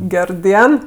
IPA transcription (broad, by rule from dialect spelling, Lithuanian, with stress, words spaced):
ˈɡʲɛr ˈdʲiɛn